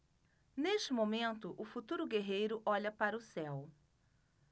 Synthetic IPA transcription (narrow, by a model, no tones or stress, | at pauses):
neʃt͡ʃɪmõmẽnt̪ʊʔʊfut̪uɾʊɡeɦejɾʊʔɔʎɐpaɾɐʊsɛw